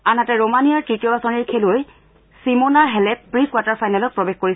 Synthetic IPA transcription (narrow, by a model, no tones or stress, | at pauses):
anatɛɹomaniaɹtɹitijɔbasɔniɹkʰeloj | simonaɹɦɛlɛtpɹikwataɹfʰajnalɔk̚pɹɔbexkoɹi